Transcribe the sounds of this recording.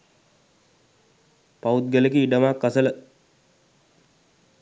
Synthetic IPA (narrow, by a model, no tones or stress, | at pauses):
paut̪̚ɡəlekiiɖəmaːkːasələ